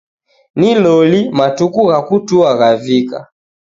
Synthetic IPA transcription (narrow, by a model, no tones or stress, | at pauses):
nilɔlimatukuɣakutuaɣavika̰